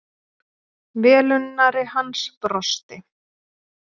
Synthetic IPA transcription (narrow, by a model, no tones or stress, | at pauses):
vɛːlʏnːaɾɪhanspɾɔst̪ɪ